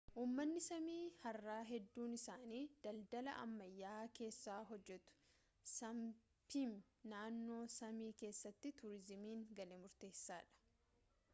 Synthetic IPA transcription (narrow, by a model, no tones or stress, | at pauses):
ʔuːmːɐnːɪsɐmiːhɐrːaːɦɛd̪ːuːnɪsaːniːd̪̥ɐld̪ɐlɐ̰ʔɐ̰mːɐjːaːke̞ːsːaːɦɔd͡ʒːɛt̪ʊ̥ | sɐm | pim | naːnːo̞ːsɐmiːke̞ːsːɐt̪ːɪt̪ʊɾɪzɪmiːŋɡɐlemʊɾt̪e̞ːsːaːᶑɐ̥